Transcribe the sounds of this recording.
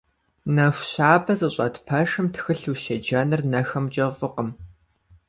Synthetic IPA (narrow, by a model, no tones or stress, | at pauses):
nɐxʷɕaːbɐzɨɕʼɐtpʰɐʂɨmtxɨɬuʃɐd͡ʒɐnɨrnɐxɐmd͡ʒʼɐvʼɨqəm